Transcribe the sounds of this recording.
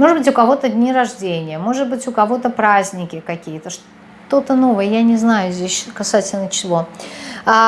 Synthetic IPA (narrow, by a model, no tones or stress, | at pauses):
moʐɨd̪bɨtʲʊkɐvot̪ədʲnʲiɾɐʐdʲenʲɪjəmo̞ʐɨd̪̚bɨtʲʊkɐvo̞t̪əpɾazʲnʲɪkʲɪkɐkʲijət̪əʂ | t̪o̞t̪əno̞vəjəjanʲɪznajʊzʲdʲesʲkɐsatʲɪlʲnət͡ɕɪ̥vˠo